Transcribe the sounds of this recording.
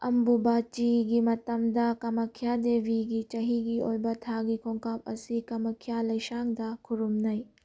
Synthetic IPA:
ɐmbubat͡ʃiɡimɐt̪ɐmd̪ɐkɐmɐkʰjad̪eʋiɡit͡ʃɐɦiɡiojbɐt̪ʰaɡikʰoŋkap̚ɐ̰sikɐmɐkʰjalɐjsaŋd̪ɐkʰuɾumnɐj

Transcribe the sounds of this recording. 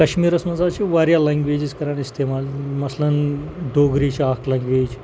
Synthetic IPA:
kɐɕmiːɾəsmɐd͡zat͡ʃiʋaɾjalãŋɡʋed͡ʑiskɐɾaɳist̪ʰemalmɐslɐnd̪oɡɾit͡ʃakʰlãŋɡʋeːd͡ʒ

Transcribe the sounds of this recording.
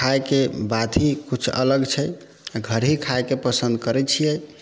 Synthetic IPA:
kaekebat̪ʰikut͡ʃʰə̰ləɡt͡ʃʰə | ɡʱəɾɦikʰaekepəsə̃nd̪̚kəɾɛt͡ʃʰijɛ

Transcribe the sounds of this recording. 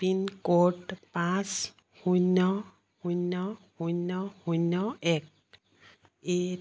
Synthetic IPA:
pinkoʈpãs | hujnɔ | hujnɔhujnɔhujnɔɛk̚ | e

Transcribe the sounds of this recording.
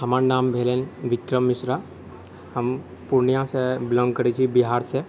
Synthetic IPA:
ɦəmaɾnaːmbʱelenʋɪkɾəmːisɾa | ɦəm | puɾnijãseblə̃ŋɡkəɾit͡ʃʰibiɦaɾse

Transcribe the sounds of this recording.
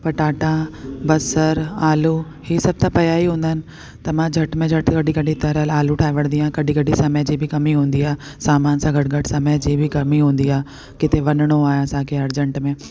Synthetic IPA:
pɐʈaːʈãbɐsəɾaːlu | hisɐb̚t̪ʰãpɐjaːiɦũːnd̪aɦɪnɪ̆ | t̪ɐmãd͡ʑʱɐʈmẽd͡ʑʱɐʈkɐɗʱikɐɗĩt̪ɐɾəlaːluʈʰaːɦiʋəɽ̃nd̪iaːɦẽkɐɗĩkɐɗisɐməd͡ʑiːbʱɪkɐmiɦũːn̆d̪iaːɦ | saːmaːnsãɡʱɐʈ̚ɡʱɐʈsɐməd͡ʑiːbʱɪkɐmiɦũːnd̪iaːe | kɪt̪ʰeʋɐnɽ̃oaːeɐsãːkʰeɐɾd͡ʑə̃ɳʈmẽː

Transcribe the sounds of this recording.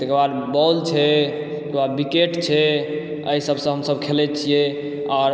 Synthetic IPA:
t̪ekəɾbad̪bɔlt͡ʃʰɛt̪ | ekəbad̪bikeʈt͡ʃʰɛ | əisəbsə̃ɦəmsəbkʰelɛt͡ʃʰije | ɔːɾ

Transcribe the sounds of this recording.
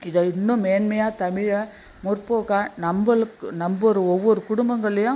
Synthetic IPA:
ɪðɐɪnːʊ̃meːnmɐjaːt̪ɐmɪɻɐ | mʊrpoːkaːnɐmbɐɭɯkːɯnɐmbɔɾɯɔʋːɔɾɯkʊɽʊmbɐŋɡɐɭːɐjʊ̃

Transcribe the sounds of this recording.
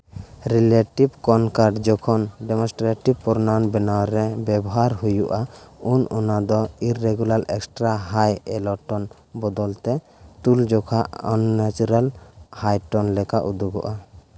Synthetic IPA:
ɾileʈibkɔnkaɾɖd͡ʒɔkʰɔnɖɛmɔ̃sʈɾeʈib̚pɔɾnanbɛnawɾɛbɛbɔɦaɾɦujuʔaunɔnad̪ɔiɾːeɡulaɾɛksʈɾaɦajɛlɔʈɔn | bɔd̪ɔlt̪ɛ | t̪uld͡ʒɔkʰaʔɔnːat͡ʃuɾalhajʈɔnlɛkaʔud̪uɡɔ̰ʔa

